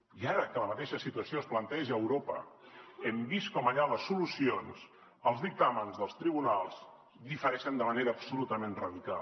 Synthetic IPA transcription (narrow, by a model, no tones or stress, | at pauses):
iaɾəkələmət̪eʃəsit̪uəsioəsplənt̪ɛʒəːwɾopə̰ɛmbiskɔməʎaləsːulusions | əlˠzðik̚t̪amənzðəlˠst̪ɾiβunalˠz | d̪ifəɾɛʃənd̪əməneɾəːpsulut̪əmenrəðika̰l